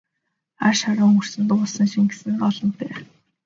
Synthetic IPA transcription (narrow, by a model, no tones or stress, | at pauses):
arʃaɾʊːŋɵr̥sɘ̆nt̪ʊɮsə̆ŋʃĭŋɡe̥sɘ̆nɢɔɮɞ̆nt̪eː